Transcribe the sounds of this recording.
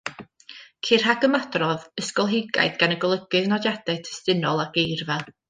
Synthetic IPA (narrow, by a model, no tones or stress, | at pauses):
kʰir̥ɦaɡəmadrɔðəskɔlˠɦɪɡa̰jdɡanəɡɔlˠəɡɨðnɔdjad̥ɛtʰɛ̥stɪnɔlˠaɡ̥ejrvɛlˠ